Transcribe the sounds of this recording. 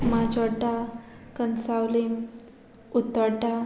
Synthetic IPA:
mad͡ʑɔʈa | kənsawlim | ut̪əʈa

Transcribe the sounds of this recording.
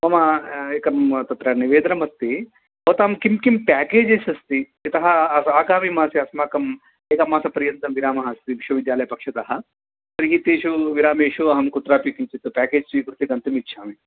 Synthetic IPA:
mɐmɐekɐmt̪ɐt̪ɾɐniʋeːd̪ɐnɐmɐst̪ːi | ɐːt̪aːmkimkimpaːkeːd͡ʒesɐst̪i | it̪ɐɦɐsaːɡaːmimaːsiɐsmaːkɐm | eːkɐmaːsɐpɐɾjɐnt̪ɐmʋiɾaːmɐɦɐst̪iʋiʃʋɐʋid̪jaːlɐjɐpɐkʂɐt̪ɐɦɐ̆ | pɐɾiɦit̪eːʃuʋiɾaːmeːʂuɐɦɐmkut̪ɾaːpikimt͡ʃit̪ːupʲaːkeːd͡ʒsiːkɾut̪ikɐnt̪imit̪ːʃʰaːmi

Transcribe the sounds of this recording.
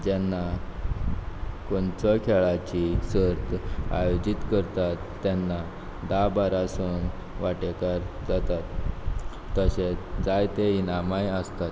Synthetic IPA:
d͡ʑɛnːa | koɳt͡sɔkʰɛɭat͡ɕisəɾt̪a̰jod͡ʑit̪kəɾt̪at̪ːanːa | d̪abaɾasun | ʋaʈekaɾd͡zat̪at̪ː | əɕet͡sd͡zajt̪einamajəst̪at̪

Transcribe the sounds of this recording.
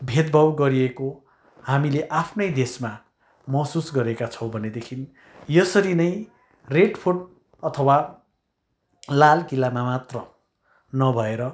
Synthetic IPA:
bʱed̪̚bʱʌwɡʌɾieko | hamileʔapʰnʌjd̪esma | mʌsusɡʌɾekat͡sʰʌw̃bʱʌned̪ekʰin | jʌsʌɾinʌj | reɖpʰoʈ | ʌt̪ʰʌwa | lalkilamamat̪rʌ | nʌbʱʌeɾʌ

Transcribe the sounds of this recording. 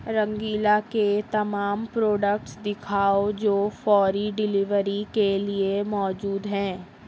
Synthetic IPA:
ɾɐ̃ŋɡiːlaket̪ɐmaːmpɾoːɖək̚ʈsd̪ɪkʰaːod͡ʒoːfɔːɾiɖɪlɪʋəɾikeliemɔːd͡ʒuːd̪ɦɛ̃ː

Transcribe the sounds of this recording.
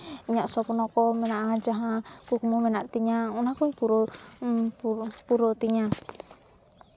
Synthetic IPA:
iɲaʔsɔpunɔkɔmɛnaʔad͡ʒaɦakukumumɛnaʔt̪iɲaunakɔipuɾɔ | puɾɔt̪iɲa

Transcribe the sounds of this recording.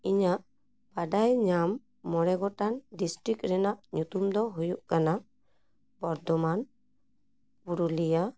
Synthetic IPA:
iɲaʔ | b̥aɖajɲamː | ɔɾɛɡɔʈanɖisʈɾikɾɛnaʔɲut̪umd̪ɔɦujuʔkanaʔ | bɔɾd̪ɔman | puɾulija

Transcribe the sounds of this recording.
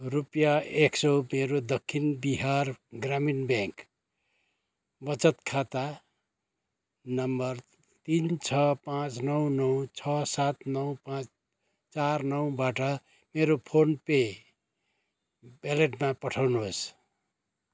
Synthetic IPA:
rupjaeksʌwmeɾod̪ʌkʰːinbiɦarɡraminbẽŋk | bʌt͡sʌt̪kʰat̪a | nʌmbʌr | t̪int͡sʰʌpãt͡snʌwnʌwt͡sʰʌsat̪nʌwpãt͡s | t͡sarnʌwbaʈʌ | meɾopʰonpe | beleʈmapʌʈʰawnuos

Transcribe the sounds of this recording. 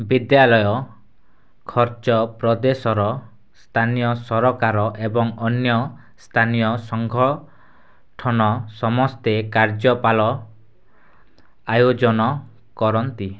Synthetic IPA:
bid̪jalɔjɔ | kʰɔɾt͡ʃɔpɾɔd̪esɔɾɔ | st̪ʰanijɔsɔɾɔkaɾɔʔebɔŋɔnjɔ | st̪ʰanijɔsɔŋɡʱɔɭ | ʈʰɔnɔsɔmɔst̪ekaɾd͡ʒɔpalɔ | ajod͡ʒɔnɔ | kɔɾɔnt̪i

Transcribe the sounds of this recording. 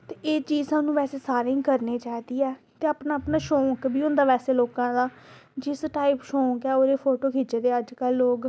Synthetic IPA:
t̪eːʔeːt͡ʃiːzãːnũːʋɛːseːsaːɾɪ̃ŋɡkəɾneːt͡ʃaːid̪iːɛː | t̪eːaːpnaːəpnaːʃõːŋkbʱiːʊnd̪aːʋɛːseːloːkãːd̪aːd͡ʒɪsʈaːipʃõːŋkɛːoːɾeːpʰoːʈoːkʰiːt͡ʃeːd̪eːəd͡ʒkəlːoːk

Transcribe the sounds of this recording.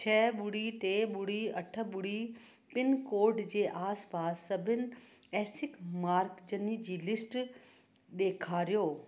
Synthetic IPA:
t͡ɕʰɛːɓʊɽiʈeːɓʊɽiɐʈʰə̆ɓʊɽi | pɪnkoːɾɖd͡ʑeːʔaːspaːsːɐbʱɪnɪ̆ | ɛːsɪkmaːɾkd͡ʑɐnid͡ʑiːlɪsʈ | ɗeːkʰaːɾijoː

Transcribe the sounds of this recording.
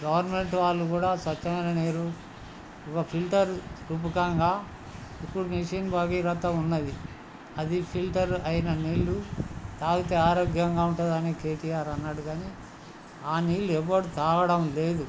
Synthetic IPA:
ɡɐʋɐɾnɐme̞ɳʈʋaːlːukuːɽaːsʋɐt͡ʃːɐŋɐnɐneːɾu | ɔkɐpʰilʈɐɾɾup̬ukɐŋɡaː | ipːuɽuniʂinbaːɡiɾɐt̪ːɐunːɐd̪i | ɐd̪ipʰilʈɐɾɐjinɐniːlːut̪aːɡut̪eːaːɾoːɡʱjɐŋɡaːuɳʈud̪ɐneːke̞ːʈijaːɾɐnːaːɽuɡaːneː | aːniːlːuɛʋːɐɽut̪aːɡɐɽɐmle̞ːd̪u

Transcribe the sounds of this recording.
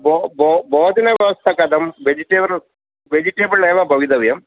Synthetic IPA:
bboboːɐd̪inɐʋjɐʋɐst̪ʰɐkɐd̪ɐmʋed͡ʒiʈeːbɐɭ | ʋed͡ʒiʈeːbɐɭeːʋɐbʱɐʋid̪ɐʋjɐm

